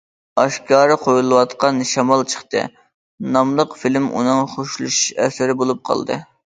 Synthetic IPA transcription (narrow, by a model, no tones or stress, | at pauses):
ɑʃkɑːɾɨqʰojulˠɨwɑt̪qɑnʃɑmɑlˠt͡ʃʰə̥χt̪ɨ̰ | nɑmlˠəqfilmʔṵnɨŋχoʃlˠuʃʃɛ̰sɪɾɪbolˠup̚qʰɑ̰lˠd̪ɨ̰